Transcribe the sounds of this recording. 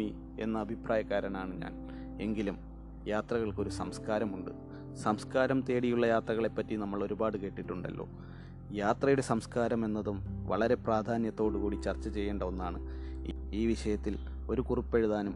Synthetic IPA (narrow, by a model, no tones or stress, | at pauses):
i | e̞̰nːɐːbʱipraːjɐkːaːɾɐnaːɳɨɲa̰ːn | e̞ŋɡilum | jaːt̪rɐɣɐɭko̞ɾusɐmskaːɾɐmuɳɖɨ̰ | sɐmskaːɾɐmt̪e̞ːɽijuɭːɐjaːt̪rɐɣɐɭe̞pːɐtːinɐmːɐɭo̞ɾubaːɽɨke̞ːʈːiʈːuɳɖɐ̰lːo̞̰ː | jaːt̪rɐjuɽe̞sɐmskaːɾɐme̞nːɐðumʋɐ̰ɭɐɾe̞praːd̪ʱaːnjɐt̪ːo̞ːɽukuːɽit͡ɕɐrt͡ɕːɐt͡ɕe̞jːeːɳɖɐonːaːɳɨ | iːʋiʂɐjɐt̪ːil | o̞ɾukuripːeɻuðaːnum